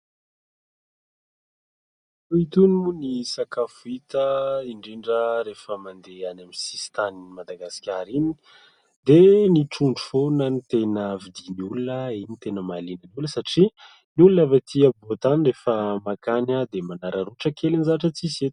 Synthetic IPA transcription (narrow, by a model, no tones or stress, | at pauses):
uit̪unmunisakafuit̪əiɳɖ͡ʐeɳɖ͡ʐəɾefəmand̪eanaminsi̥st̪aninimad̪aɡasi̥kʲaɾini̥ | d̪eniʈ͡ʂuɳɖ͡ʐufonənit̪enəvid̪inulunəinit̪enəmalinənuləsaʈ͡ʂi | niulunavat̪ʰiəbot̪anrefəmakanad̪emanaɾaɾuʈ͡ʂəkʰelinizaʈ͡ʂət͡sizet̪